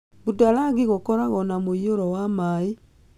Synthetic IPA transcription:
βutalaɣiɣokɔɾaɣɔnamoioɾɔwamai

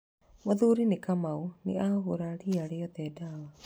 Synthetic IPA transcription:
moðuɾinekamaunḛaɣoɾaɾiaɾeɔt̪ɛdawa

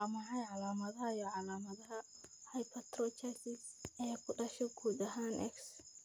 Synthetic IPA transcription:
ɐmɐɦɐjʕɑlaːmɐðɐɦɐijɔʕɑlaːmɐðɐɦɐ | hɐjpʰɐt̪ɾɔt͡ʃʰɐsɪɛːkʰʊɖɐʃɔɡuːd̪ɐɦaːnʔɛ̰ks

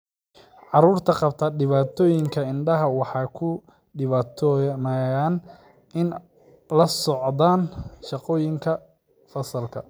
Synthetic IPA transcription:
ʕɑruːrt̪ʰɐqɑb̚t̪ʰɐɖɪβaːt̪ʰɔːjɪŋkʰɐɪnɖɐɦɐwɑħɑːkʰʊ | ɖɪβaːt̪ʰɔmɐjaːn | ɪn | lɐsɔʕd̪aːnʃɑqɔːjɪŋkʰɐ | fɐsɐlkʰɐ

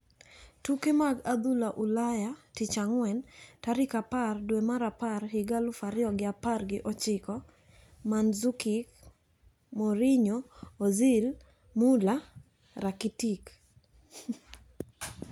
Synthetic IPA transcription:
tukemaɡad̪ulaʔulajatɪt͡ʃaŋwɛntaɾɪkapardwemaɾaparɦɪɡalʊfaɾɪɔɡɪaparɡɪʔɔt͡ʃɪkɔ | manzukɪk | mɔɾɪɲoːzil | mula | ɾakitik

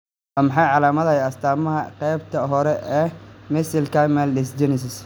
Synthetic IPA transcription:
ʔɐmħɑjʕɑlaːmɐðɐjɐst̪ʰaːmɐɦɐqɛjb̚t̪ʰɐɦɔɾɛʔɛːmɪsɪlkʰɐmɛlːɪsd͡ʒɪnɪs̬ɪs

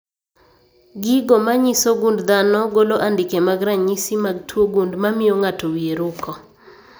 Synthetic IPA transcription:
ɡɪɡomaɲisoɡundd̪anɔɡoloʔandɪkemaɡɾaɲisimaɡtʰwoɡundmamɪoŋatowieɾukʰɔ

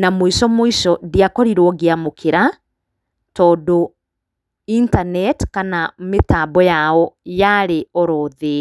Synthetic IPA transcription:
namoisɔmoisɔðiakɔɾiɾwɔɡeamokʰeɾa | tɔːdo | intanɛtkanametabɔjaɔjaɾeɔɾɔːðe

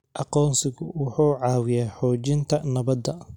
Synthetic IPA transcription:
ʔɑqɔːnsɪɣʊwʊħuːʕɑːwɪjaːħɔːt͡ʃɪnt̪ʰɐnɐβɐd̪ɐ

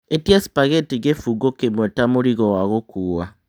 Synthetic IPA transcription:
etiasi̥paɣetiɣefuɡokemwetamoɾiɣowaɣokuːwa

